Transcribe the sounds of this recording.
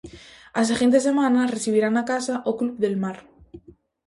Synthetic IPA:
as̬exent̪esemanareθiβiɾanakasaʔoklubðe̞lmaɾ

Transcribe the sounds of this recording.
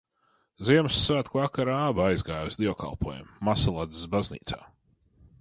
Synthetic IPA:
ziɛmsːvaːt̪kvˠakaɾaːbaajzɡaːjusd̪iɔka̰lˠpʰuɔjṵmːasalˠad̪zisbaznḭːt̪sa̰ː

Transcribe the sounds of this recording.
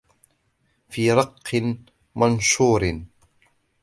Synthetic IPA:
fiːɾˤɑqːɨn | manʃuːɾn

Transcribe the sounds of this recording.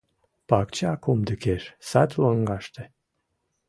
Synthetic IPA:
pakt͡ʃeakumd̪ɨkʲeʃsat̪ʲloŋɡaʃt̪e

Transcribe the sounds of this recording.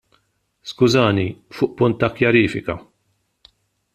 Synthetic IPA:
skʊzɐːnifʊːʔpʊnt̪ːɐkjɐɾiːfɪkɐ

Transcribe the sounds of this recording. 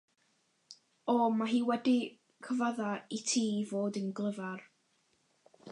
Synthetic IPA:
ɔmaɦiːwɛdi | kʰəvaðaitʰiːvoːdənɡlˠəvar

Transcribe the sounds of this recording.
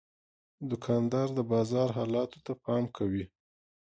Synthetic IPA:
d̪ʊkʰɑnd̪ɑɾd̪əbɑzɑɾɦɑlɑt̪o̥t̪apɑmkʰawi

